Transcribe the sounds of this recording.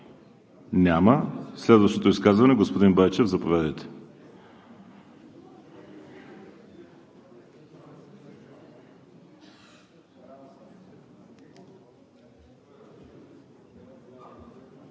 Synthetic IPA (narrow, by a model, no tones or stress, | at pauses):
nʲaməslɛd̪vəʃt̪ot̪oiskazvɐnɛɡospod̪inbait͡ʃɛvzɐpovʲad̪ɛt̪ɛ̥